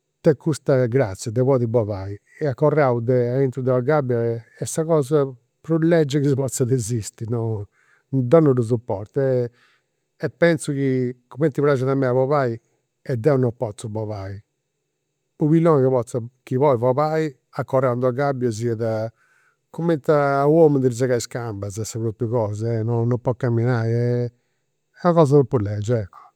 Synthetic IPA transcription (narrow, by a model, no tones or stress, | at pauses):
t̪ɛkʰːust̪aɡɾat̪sːjad̪ɛβɔːðibɔvaːi | ɛakːɔrːaud̪ɛaint̪ɾud̪ɛaɡabːjaɛsakɔːza | pɾulːɛd͡ʒːɛkisiβɔt̪sːaðezist̪inɔ | d̪ɔnuɾus̬upːɔ̰ɾt̪ɛ | ɛpːɛnsukikumɛnt̪ːiβɾad͡ʒaðamːɛaβɔvaːi | ɛd̪ːɛunɔpːɔt̪subɔβaːi | uβilːɔnkiβɔt̪sakiβɔivɔβaːi | akːɔrand̪uaɡabːjɔziɛða | kumɛnt̪awɔmund̪iɾzaɣaiskambazɛsaβɾupːuɣɔːzɛɛnɔnɔmpːɔkːamːinaːiɛ | ɛaɣɔːzaðupːuɾlɛd͡ʒɛkːɔ̥